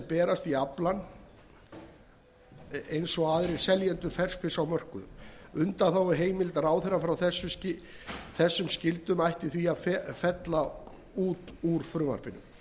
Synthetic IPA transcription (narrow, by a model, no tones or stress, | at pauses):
pɛːɾast̪iaplan | ejnsɔaːðɾɪ̥sɛljɛnt̪ʏɾfɛr̥sfɪsawmœr̥kʏðʏmʏnt̪aθawɛɦeːjmɪlt̪raːwθɛrːafɾawθɛsːʏscɪ | θɛsːʏmscɪlt̪ʏmajht̪iθviaðfɛfɛt̪la | uːt̪uɾ̥fɾʏːva̰r̥pɪnʏ̰m